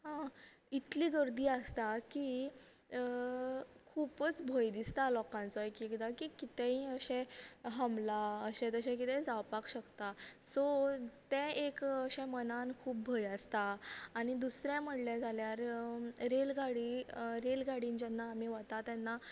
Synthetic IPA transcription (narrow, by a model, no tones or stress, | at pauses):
ɦã | it̪liːɡəɾd̪iːəst̪aki | kʰuːpət͡sbʱojd̪ist̪alɔkãnt͡sɔekikd̪akikit̪ɛ̃ɦĩəɕɛ̃ɦəmlaəɕɛ̃t̪əɕɛ̃k̬it̪ɛ̃d͡zawpakɕəkt̪asɔt̪ɛ̃ekəɕɛ̃mənãnkʰuːp̚bʱojast̪aːɽ̃id̪usɾjam̤əɽljãd͡zʱaljaɾɾelɡaɽiɾelɡaɽĩnd͡ʑɛnːaːm̤iʋat̪at̪ɛnːa